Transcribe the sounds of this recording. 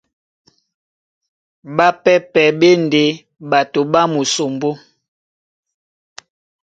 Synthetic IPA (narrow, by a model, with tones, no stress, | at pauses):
ba˦pɛ˦pɛ˨be˦nde˨˦ | ba˨to˨ba˦mu˨so˨mbo˦